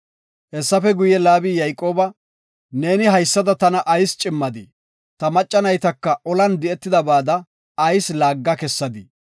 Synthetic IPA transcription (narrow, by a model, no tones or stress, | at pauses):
hɛsːɐfɛɡʊjɛlaːbijɐjkʼːo̞ːbɐ | ne̞ːnɪɦɐjsːɐd̪ɐt̪ɐnɐʔɐjst͡ʃʼɪmːɐd̪ɪ | t̪ɐmɐt͡ʃʼːɐnɐjt̪ɐkːɐʔɔlɐnd̪ɪɛt̪ːɪd̪ɐbaːd̪ɐ | ɐjslaːɡːɐkɛsːɐd̪ɪ